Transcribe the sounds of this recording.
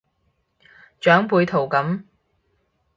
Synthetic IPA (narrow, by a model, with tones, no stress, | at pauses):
t͡ʃœː˨˥ŋpuː˧jt̪ʰo˨˩wkɐ˨˥m